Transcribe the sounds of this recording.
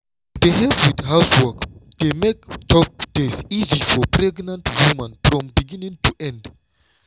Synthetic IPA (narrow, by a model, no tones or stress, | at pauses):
deɦɛvwidɦaʊswəkd̥emektʰɔp̚d̥ezizifɔpɹɛɡnãntwumãnfɹɔ̃mbiɡĩnĩŋtʰuʔɛ̃nd